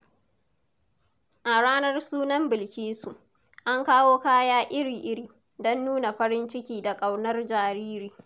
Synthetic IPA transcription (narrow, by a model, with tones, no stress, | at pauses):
ʔa˨ɽaː˦nɐ˦rsuː˦nɐ˦mbɪ˨lkʲiː˦su˨ʔ | ʔa˦ŋkaː˦woː˦kaː˦jaː˦ʔɪ˦ɽiː˨ʔɪ˦ɽiː˨ | dɔ˦nːuː˦na˨ɸɐ˦ɾɪ˦nt͡ʃɪ˦kʲiː˨da˨kʼa˨wnɐ˦rd͡ʒaː˨ɾiː˦ɾiː˨